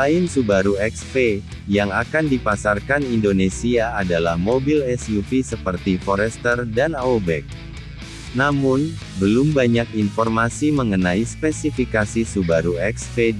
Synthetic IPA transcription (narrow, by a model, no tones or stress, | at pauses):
aɪnsubaɾuɛkspe | jaŋakandipasarkanindonesiaːdalahmobilɛsjufisəpərt̪ifɔɾɛst̪ərdanaobɛk̚ | namʊn | bəlʊmbaɲakinfɔrmasiməŋənaispɛsifikasisubaɾuɛkspe